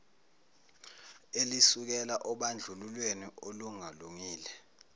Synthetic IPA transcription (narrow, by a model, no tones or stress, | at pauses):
elisuk̬ɛlaʔɔɓand͡ɮʱululweniʔoluŋaluŋiːlɛ